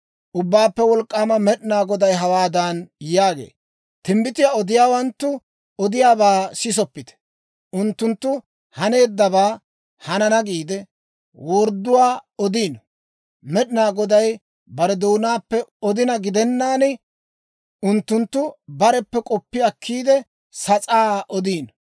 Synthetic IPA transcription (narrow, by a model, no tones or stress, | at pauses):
ʔʊbːaːpːɛwɔlkʼːaːmɐmɛɗɪnaːɡɔd̪ɐjɦɐwaːd̪aːnjaːɡḛː | t̪ɪmbɪt̪ɪjaɔd̪ɪjaːwɐnt̪ːʊ | ɔd̪ɪjaːbaːsɪs̬ɔpːɪt̪ɛ̥ | ʔʊnt̪ːʊnt̪ːʊ | hɐne̞ːd̪ːɐbaː | hɐnɐnɐɡiːd̪ɛ | wɔːɾd̪ːʊwaːɔd̪iːnɔ | mɛɗɪnaːɡɔd̪ɐj | bɐɾɛd̪oːnaːpːɛɔd̪ɪnɐɡɪd̪ɛnːaːnɪ | ʊnt̪ːʊnt̪ːʊbɐɾɛpːɛkʼɔpːɪɐkːiːd̪ɛ | sɐt͡sʼaːʔɔd̪iːn